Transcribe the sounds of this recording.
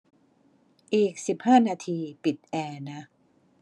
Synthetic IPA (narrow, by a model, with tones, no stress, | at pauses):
ʔiː˨˩k̚si˨˩p̚haː˥˩naː˧t̪ʰiː˧pi˨˩t̪̚ʔɛː˧na˦˥